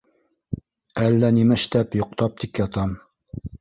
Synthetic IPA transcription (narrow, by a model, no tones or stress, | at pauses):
ælːænimæʃt̪æpjŏq̚t̪ɑp̚t̪ʰikjɑt̪ɑm